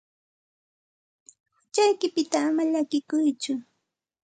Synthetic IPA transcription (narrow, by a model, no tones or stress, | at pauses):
hʊt͡ʃajkɪpɪt̪aːmaʎakɪkʊjt͡ʃʊ